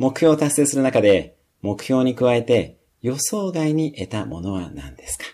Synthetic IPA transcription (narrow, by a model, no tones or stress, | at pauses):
mo̞kɯ̟ço̞ːt̪asːe̞ːsɨɾɯ̟nakad̪e̞ | mo̞kɯ̟̥ço̞ːɲ̟ikɯ̟βae̞t̪e̞ | jo̞so̞ːɡaiɲ̟iʔe̞t̪amo̞̰no̞β̞a̰nã̰nd̪̥e̞sɨ̥kḁ